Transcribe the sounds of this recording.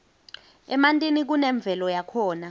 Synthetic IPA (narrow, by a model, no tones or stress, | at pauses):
ɛmantʼinik̬unɛɱb̪vʱɛlɔjakʰɔːna